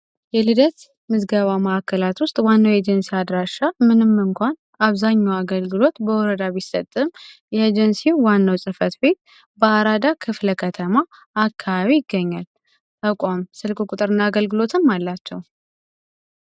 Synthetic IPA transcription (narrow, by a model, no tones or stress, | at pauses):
jɛlɨd̪ət̪ | mɨzɡəβaməakːəlat̪wʊst̪ʼwanːəwjɛd͡ʒɛnsiad̪ɾaʃamɨnɨmːɨŋkʷan | aβzaɲːawaɡəlɡɨlo̞t̪bəwɔɾəd̪aβisːət̪ʼːɨmjɛed͡ʒɛnsiwanːəwsʼɨfət̪be̞t̪̚ | bəaɾad̪akʰɨfləkʰət̪ʰəmaː | kʰːaβaβijɪɡːəɲːal | t̪akʷʼamsɨlkʼukʼut̪ʼɨɾɨnːaːɡəlɡɨlo̞t̪ʰɨmːalːat͡ʃːɛw